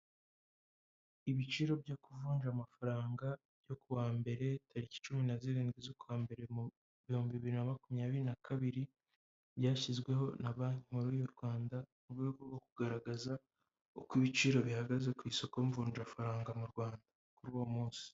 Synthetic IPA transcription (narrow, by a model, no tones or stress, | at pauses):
iβit͡ʃiɾo̞bjokuvuːnd͡ʒamafaɾaːŋɡa | bjo̞kuβaːmbe̞ɾe̞tʰaɾici̥t͡ʃuminaziɾiːnɡizokuwaːmbe̞ɾe̞mu | βihuːmbiβiɾinamakumɲaːβiɾinakʰaβiɾi | bjaːçizɡwe̞ɦo̞naβaːɲimuɾuːjoɾɡwaːndamuɡuɡoɡokuɡaɾaɡaza | okwiβit͡ʃiɾo̞βihaɡaze̞kwiːso̞ko̞ɱvuːnʒafaɾaːŋɡamuɾɡwaːnda | kuɾuwomuːnsi̥